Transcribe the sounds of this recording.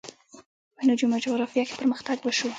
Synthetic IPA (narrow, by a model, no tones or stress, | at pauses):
pənud͡ʒumad͡ʒoɣɾafijɑke̥pəɾməxt̪aɡwəʃu